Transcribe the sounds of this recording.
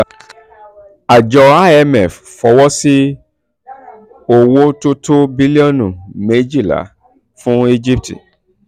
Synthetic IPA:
a˨d͡ʒɔ˧a˦ɛ˧mɛ˨f | fɔ˧˦wɔ˦si˦ | o˨wo˦to˦to˦bi˦li˦ɔ˦˨nũ˨me˨˦d͡ʒi˦˨la̰˨˦ | fũ˦e˦d͡ʒi˦p̚tḭ˨

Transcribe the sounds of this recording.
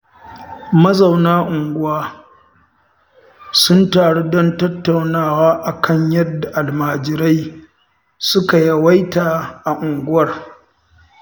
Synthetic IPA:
mɐ˦za˨wnaː˦ʔʊ˨ŋɡʷʊ˦waː˦ | sʊ˦ntaː˨ɽu˦dɔ˦ntɐ˦tːa˨wnaː˦˨waː˦ʔa˨kʰɐ˦ɲjɐ˦dːa˨ʔa˨lmaː˨d͡ʒɪ˨ɾa˦j | sʊ˦ka˨ja˦wa˦jtaː˨ʔa˨ʔʊ˨ŋɡʷʊ˦wɐ˦˨r

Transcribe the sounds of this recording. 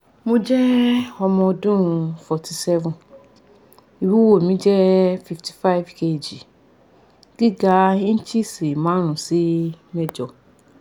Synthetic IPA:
mũ˦d͡ʒɛ˦ɔ˨mɔ̃˨dũ˦˨fɔ˨tʰi˨sɛ˦vɔ̃˨n | i˨wu˦wo˨mĩ˦d͡ʒɛ˦fi˨ftʰi̥˨fa˦ɪ˨˦vkʰe˦˨d͡ʒi˨ | ɡ̥i˦ɡa˦i˦n̩˦t͡ʃʰi˦si˨mã˨˦ɾ̃ũ˨si˦mɛ̃˦d͡ʒɔ˨

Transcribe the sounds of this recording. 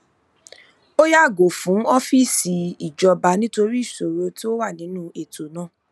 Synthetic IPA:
o˦ja˦˨ɡo˨fũ˨˦ɔ˦fi˦si˨˧i˦˨d͡ʒɔ˧ba˧nĩ˦to˧ɾi˦i˦˨so˨ɾo˧˦ti˦o˦wa˦˨nĩ˨˦nũ˦e˦˨to˨nãː˦˨

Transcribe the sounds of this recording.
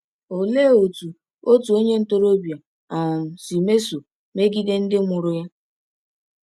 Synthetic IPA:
o˨leː˦˨o˨tu˨ | o˦tu˨o˦ɲe˦n̩˦to˦ɾo˦bja˨ | a˨si˨me˦so˨ | me˦ɡi˦de˦n̩˦dɪ˦ŋʊ˨ɾʊ˦ja˦

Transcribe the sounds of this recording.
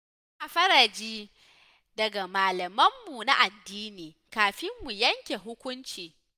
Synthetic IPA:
ʔa˨ɸɐ˦ɾa˨d͡ʒiː˦ | dɐ˨ɡa˨maː˨lɐ˨mɐ˦mːu˨na˦ʔa˨dːiː˦niː˨ | kaː˨ɸɪ˦mːu˨jɐ˦ŋkʲe˨ɦʊ˦kʷʊ˦nt͡ʃiː˨

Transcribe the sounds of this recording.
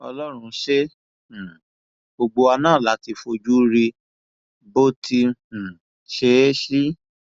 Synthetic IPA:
ɔ̰˧lɔ˦ɾ̃ũ˧˦ʃe˦˨ | bo˧ɡ͡bo˧a˧nãː˦˨la˨˦ti˧fo˧d͡ʒu˦ɾi˧ | bo˦tʰĩ˧˨ | ʃe˨˦ʃi˦

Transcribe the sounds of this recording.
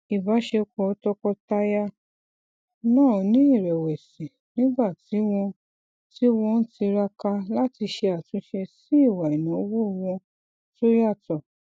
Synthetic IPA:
i˨ba˨˦ʃe˧kɔ˨˦tɔ˧kɔ˧ta˦ja˦ | nãː˦˨nĩ˨˦i˦˨ɾɛ˨wɛ˨sĩ˨ | nĩ˨˦ɡ͡ba˦˨ti˨˦w̃ɔ̃˧ | ti˦w̃ɔ̃˧n̩˦ti˧ɾa˧ka˧la˦ti˧ʃe˧a˨tũ˨˦ʃɛ˧si˦i˦˨wa˨i˨nũ˨˦wo˦˧w̃ɔ̃˧ | to˦ja˦˨tɔ˨

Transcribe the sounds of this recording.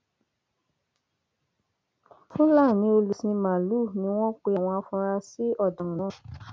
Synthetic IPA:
fũ˦laː˦˨nĩ˧˦o˧lu˨sĩ˧mã˨lu˦˨nĩ˧˦w̃ɔ̃˦k͡pe˧a˨w̃ɔ̃˧a˧fũ˧ɾa˧si˦ɔ˦˨dã˨nã˦˨

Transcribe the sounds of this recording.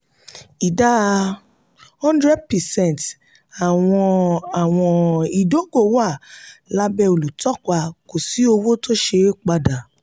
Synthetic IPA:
i˨da˦ | hɔ̃˦ndɾɛ˦d̚pɛ˨sɛ̃˦˨nt | a˨w̃ɔ̃˧a˨w̃ɔ̃˧i˨do˨˦ɡo˦˨wa˦˨la˦bɛ˧o˨lu˨tɔ˦kʷa˧ko˨si˨˦o˧wo˦to˦ʃe˧k͡pa˧da˨

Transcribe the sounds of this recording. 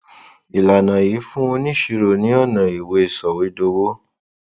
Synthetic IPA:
i˨la˨nã˨ji˨˦fũ˦õ˧nĩ˦˨ʃi˧ɾo˨nĩ˨˦ɔ˦˨nã˨i˨we˧e˦˨sɔ˨we˨˦do˧wo˦

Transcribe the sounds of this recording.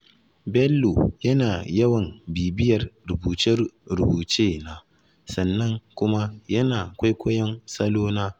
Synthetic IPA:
bɛ˦lːo̰˨jɐ˦naː˨jɐ˦wɐ˨mbiː˨bɪ˦jɐ˨rɾʊ˨buː˨t͡ʃɪ˦rɾʊ˨buː˨t͡ʃeː˦naː˦ | sɐ˨nːɐ˦ŋkʷʊ˦ma˦jɐ˦naː˨a˨kʷa˦jkʷɐ˦jɐ˦nsɐ˦loː˦naː˦

